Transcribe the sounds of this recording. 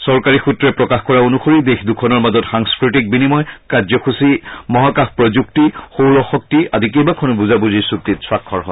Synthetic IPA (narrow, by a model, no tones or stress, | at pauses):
sɔɹkaɹixutɹɛpɹɔkaxkɔɹaonuxoɹidexdukʰɔnɔɹmazɔtxaŋskɹitik̚binimɔjkazɔkʰusimɔɦakaxpɹɔzuk̚tixowɹɔxɔk̚tiadik̬ejbakʰɔnʊbuzabuzisuk̚titswakʰːɔɹɦɔ